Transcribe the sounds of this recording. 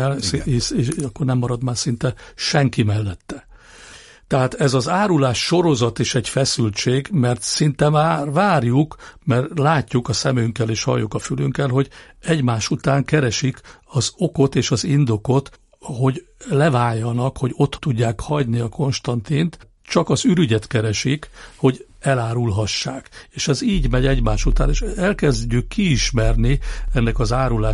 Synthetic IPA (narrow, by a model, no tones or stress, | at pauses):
ɛlieʃeʃɒkːornɛmːɒɾɒd̪maːrsint̪ɛʃɛŋkimɛlːɛt̪ːɛ | t̪ɛɦaːt̪ɛzɒzaːɾulaːʃːo̞ɾo̞zɒt̪eːʃɛɟfɛsylt͡ʃeːɡmɛrt̪sint̪ɛmaːrʋaːrjukmɛrt̪laːcːukɒsɛmyŋkːɛleːʃhɒ̰jːukɒfylyŋkːɛlɦo̞ɟ | ɛɟmaːʃut̪aːŋkɛɾɛʃikɒzo̞ko̞t̪eːʃɒzind̪o̞ko̞t̪ | ho̞ɟlɛvaːjːɒnɒkho̞ɟo̞t̪ːuɟːaːkhɒɟniɒko̞nʃt̪ɒnt̪iːnt̪ | t͡ʃɒkɒzyɾyɟɛt̪kɛɾɛʃikho̞ɟ | ɛlaːɾulɦɒʃːaːkeːʃɛziːɟmɛɟɛɟmaːʃut̪a̰ːneːʃɛlkɛzɟykːiːʃmɛrniɛnːɛkɒzaːɾulaː